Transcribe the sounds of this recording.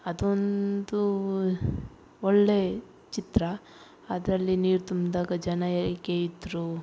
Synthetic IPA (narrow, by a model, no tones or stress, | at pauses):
ɐd̪ond̪u | ɔɭːe | t͡ʃit̪ɾɐ | ɐd̪ɾɐlːiniːɾt̪umd̪aːɡɐd͡ʒɐnɐɛlɡeid̪ɾu